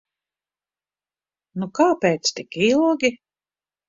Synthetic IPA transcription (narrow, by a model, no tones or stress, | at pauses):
nukaːpeːt̪st̪ikilˠɡʲi